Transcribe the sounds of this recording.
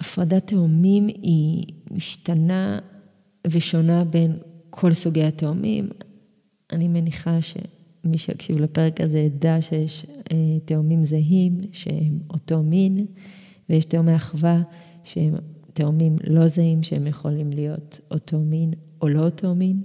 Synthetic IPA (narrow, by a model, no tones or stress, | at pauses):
afʁadateomimimiʃtana | veʃo̞nabenkʰo̞lsuɡejateomʔḭm | ʔanimeniχaʃe̞̰ | miʃea̰kʃivlape̞ʁekazeadaʃejeʃeteomimzaɦimʃḛemoto̞min | vejeʃteomeaχva | ʃehemteomimlo̞zahimʃehemjeχo̞limlijo̞totomin | olo̞tʰeomim